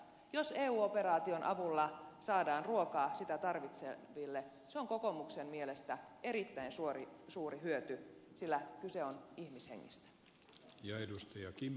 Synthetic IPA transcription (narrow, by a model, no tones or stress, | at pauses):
joseːuːope̞rɑːt̪io̞nʔɑ̰ʋulːɑsɑːdɑːnruokɑːsit̪æt̪ɑrʋit̪sḛʋilːe | seoŋkoko̞muksemmielest̪æeɾit̪ːæinsuorisuːriɦyøt̪ysilːækyseonihmishḛŋːḭst̪æ̥ | jɑedust̪ɑjɑkim